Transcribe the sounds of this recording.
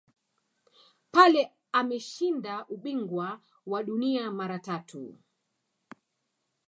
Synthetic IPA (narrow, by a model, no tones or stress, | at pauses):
palɛ | amɛʃindaʔuɓiŋɡwa | waɗuniamaɾatatʰṵ